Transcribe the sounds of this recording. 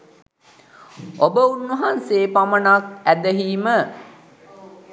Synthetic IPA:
obəunwəɦanseːpamənakæd̪əɦiːmə

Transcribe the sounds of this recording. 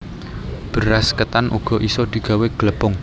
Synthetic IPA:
b̥ə̤ɾaskət̪anʔṵɡ̥ɔ̤ʔisɔd̪̥i̤ɡ̥a̤weɡ̥ləpʊŋ

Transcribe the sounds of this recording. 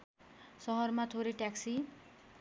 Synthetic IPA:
sʌɦʌrmat̪ʰoɾeʈaksi

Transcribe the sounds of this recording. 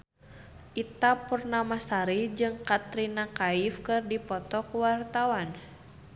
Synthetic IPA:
ʔit̪apurnamasaɾid͡ʒɨŋkat̪ɾinakaifkɨrdipɔt̪ɔkuwart̪awan

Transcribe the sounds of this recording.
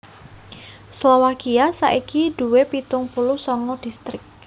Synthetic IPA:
slɔwakiasa̰ʔikid̪̥ṳwepit̪ʊŋpulusɔŋɔd̥ist̪ɾɪk̚

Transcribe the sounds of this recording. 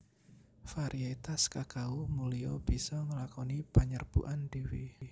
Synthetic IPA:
faɾiat̪askakaumuliob̥isɔŋəlakɔnipaɲərb̥ṵʔand̥iwi

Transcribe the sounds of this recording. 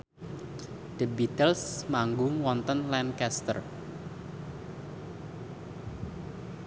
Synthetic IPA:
d̥ə̤bit̪əlsmaŋɡʊŋwɔnt̪ənlɛnkɛst̪ə̰r

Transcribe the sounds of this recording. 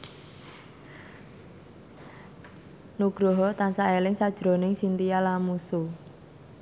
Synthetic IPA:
nuɡ̥ɾɔɦɔt̪ansaelɪŋsad̥ʒ̥ɾo̤nɪŋsint̪ijalamusu

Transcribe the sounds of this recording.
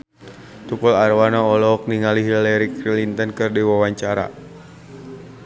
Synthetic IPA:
t̪upɔlarwanaɔlɔk̚niŋaliɦilɛɾikɾilint̪ənkɨrdiwawaɲt͡ʃaɾa̰

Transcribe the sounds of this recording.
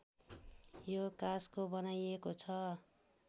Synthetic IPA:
jokaskobʌnajekot͡sʰʌ

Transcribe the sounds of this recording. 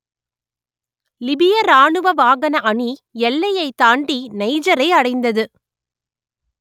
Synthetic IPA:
lɪbɪjɐɾaːɳɯʋɐʋaːɣɐnɐʔɐɳijɛlːɐjɐɪt̪aːɳɖinɐɪd͡ʒɐɾɐɪɐɽɐɪnd̪ɐðɯ

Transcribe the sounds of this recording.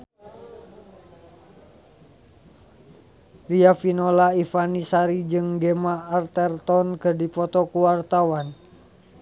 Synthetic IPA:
riafinolaifanisaɾid͡ʒɨŋɡɛmaːrt̪ɛrt̪ɔnkɨdipɔt̪ɔkuwart̪awan

